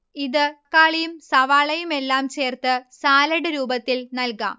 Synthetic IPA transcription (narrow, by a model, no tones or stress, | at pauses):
iðɨkːaːɭijumsɐʋaːɭɐjume̞lːaːmt͡ɕe̞ːrt̪ɨsaːlɐɽɨɾuːbɐt̪ːilnɐlka̰ːm